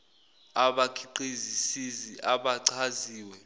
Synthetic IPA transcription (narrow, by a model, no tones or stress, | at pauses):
aɓakʰiǃizisiziʔaɓaǀʰaziːwɛ